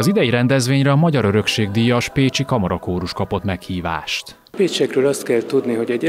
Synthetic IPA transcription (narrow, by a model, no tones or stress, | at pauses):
ɒzid̪ɛjiɾɛnd̪ɛzʋeːɲrɛɒmɒɟɒɾø̞ɾø̞kʃeːɡd̪iːjɒʃpeːt͡ʃikɒmɒɾɒkoːɾuʃkɒpo̞t̪mɛkhiːva̰ːʃt̪ | peːt͡ʃɛkrøːlɒst̪kɛlt̪ud̪niɦo̞ɟɛɟ